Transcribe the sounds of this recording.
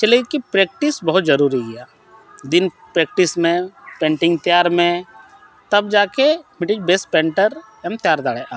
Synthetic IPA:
t͡ʃɐlekipɾeːk̚ʈɪsbɐɦʊt̪zɐɾuːɾiɡɪjaː | d̪ɪn | pɾeːk̚ʈɪsmẽpẽːɳʈɪ̃ŋɡt̪jaːɾmẽ | t̪ɐbd͡ʒaːkemɪʈɪd͡ʒbeːspɛ̃ːɳʈəɾ | ɛmt̪jaːɾd̪aːɽeʔaː

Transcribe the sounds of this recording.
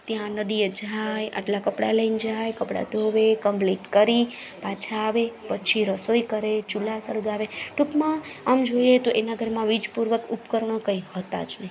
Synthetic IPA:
t̪jãnəd̪ied͡ʒʱajʔa̰ʈlakəpɽa̰ləind͡ʒajkəpɽa̰d̪ʱoʋekəmpliʈkəɾi | pat͡ʃʰaːʋepət͡ʃʰiɾəsoikəɾet͡ʃulasəɾɡaʋeʈupmãəmd͡ʒojet̪oʔenaɡʱəɾmãʋid͡ʒpuɾʋəkupkəɾɳ̃okəiɦət̪a̰d͡ʒnɛ

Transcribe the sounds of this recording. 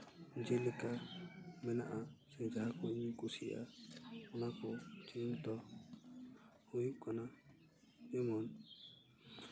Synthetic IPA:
d͡ʒɛlɛkamɛna̰ʔasɛd͡ʒaɦakɔiɲikusia̰ɔnakɔtʰint̪ɔ | hujuʔkana | d͡ʒɛmɔn

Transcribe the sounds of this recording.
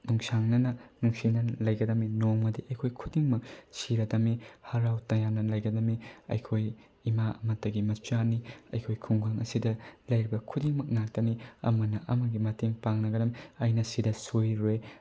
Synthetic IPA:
nuŋsaŋnɐnɐnuŋsinɐnlɐjɡɐdɐminoŋmɐdiʔɐjkʰojkʰudiŋmɐk̚siɾɐdɐmihaɾawtɐjanɐlɐjɡɐdɐmiɐ̰jkʰoj | imaɐ̰mɐtːɐɡimɐt͡ʃaniɐ̰jkʰojkʰuŋɡaŋʔɐsidɐlɐjɾibɐkʰudiŋmɐk̚nak̚tɐniɐ̰mɐnɐʔɐmɐɡimɐtiŋpaŋnɐɡɐdɐmiɐjnɐsidɐsojɾej

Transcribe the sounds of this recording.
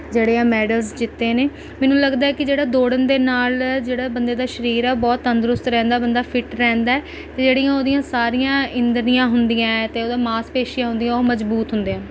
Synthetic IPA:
d͡ʒeːɽeːãːmɛːɖəlzd͡ʒɪt̪ːeːneː | mɛːnũːləɡd̪aːɛːkɪd͡ʒeːɽaːd̪oːɽənd̪eːnaːld͡ʒeːɽaːbənd̪eːd̪aːʃəɾiːɾɛːbɔːt̪ənd̪ɾʊst̪ɾɛ̃ːnd̪aːbənd̪aːpʰɪʈɾɛ̃ːnd̪aːɛː | t̪eːd͡ʒeːɽijãːoːd̪ijãːsaːɾijãːɪ̃nd̪ənijãːɦʊnd̪ijãːt̪eːoːd̪ãːmaːspeːʃɪjãːɦʊ̃nd̪ijãːoːməzbuːt̪ɦʊnd̪iãː

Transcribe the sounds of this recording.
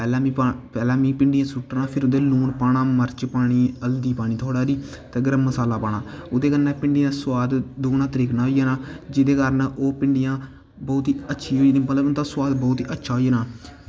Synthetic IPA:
pɛːlɛ̃ːipɛːlɛ̃ːmĩːpɪɳɖɪjãːsuːʈnaːpʰɪɾʊd̪eːluːɳpaːɽaːməɾt͡ʃpaːɽ̃iːəld̪iːpaːɽ̃iːt̪ʰoːɽaːɾiː | t̪ẽːɡəɾəmːəsaːlaːpaːɳaːʊd̪eːkənɛ̃ːpɪɳɖɪjãːsʊwaːd̪d̪oːnãːt̪əɾiːknaːɦoːijaːnaːd͡ʒɪd̪eːkəɾənʔoːpɪɳɖɪjãː | bɔːt̪iːətːʃʰiːɦoːinĩmət̪ləbət̪aːswaːd̪bɔːt̪iːʔətːʃʰaːɦoijːnãː

